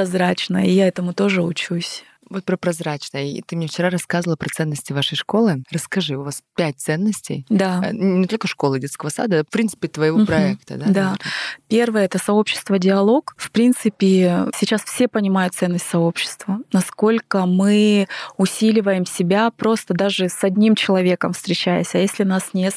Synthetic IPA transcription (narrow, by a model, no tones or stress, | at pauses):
pɐzɾat͡ɕnə̰jəijaɛt̪əmʊt̪o̞ʐɨʊt͡ɕusʲ | vot̪̚pɾəpɾɐzɾat͡ɕnəjəḭt̪ɨmnʲeft͡ɕɪɾaɾɐskazəvəlˠəpɾɐt̪sɛnːəsʲtʲɪvaʂəjʂko̞lˠɨrəskɐʐɨʊvaspʲæt̚ʲt̪sɛnːəsʲtʲɪ̰jd̪a̰nʲɪt̪o̞lʲkəʂko̞lˠɨdʲet̪skəvəsa̰d̪əafpɾʲinsɨ̥pʲɪt̪vəjɪvopɾɐɛk̚t̪ə̰d̪ad̪apʲe̞rvɨjəɛt̪əsɐo̞pɕːɪ̥st̪vədʲɪɐlˠo̞kfpɾʲint̪sɨpʲɪsʲɪt͡ɕasfsʲe̞pənʲɪmajʊt̪sɛnːəsʲtʲsɐo̞pɕːɪ̥st̪vənɐsko̞lʲkəmɨʊsʲilʲɪvəjɪmsʲɪbʲapɾo̞st̪əd̪aʐɨsɐdʲnʲimt͡ɕɪlˠɐvʲe̞kəmfst̪ɾʲɪt͡ɕæjɪ̰sʲɐjesʲlʲɪnasnʲet̪